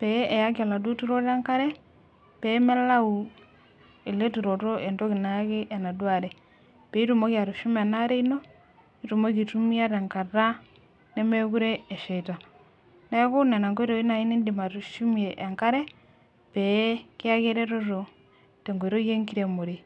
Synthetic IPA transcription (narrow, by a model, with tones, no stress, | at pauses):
pɛ˦ʔɛ˨ja˦kɔ˨la˨du˦tu˦ɾɔ˦ɾa˦ŋka˦ɾɛ˦ | pɛ˦mɛ˦la˦u˨ | e˨le˦tu˨ɾɔ˨ɾɔ˦ʔɛ˨ntɔ˦ki˨na˨ja˦keʔɛ˨na˨dwa˨ɾɛ˨ | pɛ˨i˦tu˨mo˦kja˨ɾu˨ʃu˦ma˨na˦ɾe˦ino˦ | itu˨mo˦ki˨tumi˦a˦ɾɛ˨ŋka˨ɾa˦ | ne˦mɛ˦ku˦ɾɛ˦ɛ˨ʃɛ˨ta˨ | na˦ɛ˦ko˦nɛ˨na˨ŋɡɔ˦i˦ɾo˨i˦na˨i˦ni˦ndi˨ma˨ɾu˨ʃu˦meʔːŋka˦ɾɛ˦ | pɛke˦a˦ke˦ɾɛɾɔ˦ɾɔ˨ | tɛ˨ŋɡo˨ɾo˦je˦ŋki˦ɾe˨mo˨ɾe˨